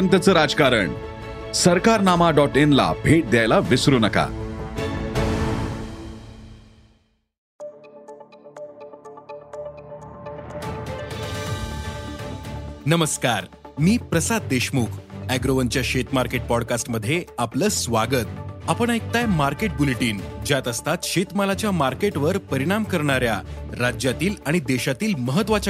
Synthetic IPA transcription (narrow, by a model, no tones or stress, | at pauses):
ənt̪ət͡səːɾad͡zkaɾəɳ | səɾkaɾnamaɖɔʈenla̰bʱeʈ̚d̪jajlaʋisɾuːnəka̰ | nəməskaɾmiːpɾəsad̪̚d̪eɕmuːkʰæɡɾoʋənt͡ɕjaɕet̪maɾkeʈ̚pɔɽkasʈməd̪ʱːjeapləːsʋaɡət̪apəɳ̃ek̚t̪ajmaɾkeʈ̚buleʈiːnd͡ʑjat̪əst̪at̪ɕet̪malat͡ɕjamaɾkeʈʋəɾpəɾiɽ̃amkəɾɳ̃aɾjaɾad͡ʑjat̪iːlaɽ̃id̪eɕat̪iːlməɦət̪ʋat͡ɕ